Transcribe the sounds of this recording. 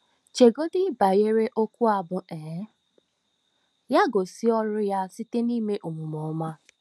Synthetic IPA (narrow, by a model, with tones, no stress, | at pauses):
t͡ʃe˨ɡo˦dɪ˦ba˨je˦ɾe˦ʔo˦ku˦a˨bʊ˨e˨˦ | ja˦ɡo˨si˦ɔ˦ɾʊ˦ja˦si˦te˦ni˦me˦ʔu˨mu˨mɔ˨˦ma˦